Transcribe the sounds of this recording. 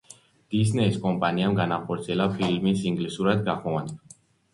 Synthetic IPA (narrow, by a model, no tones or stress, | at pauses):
d̪̥isnɛiskʼɔmpʼaniamɡanaχɔɾt̪sʰiɛlapʰilmisiŋɡlisuɾad̪̚ɡaχmɔvan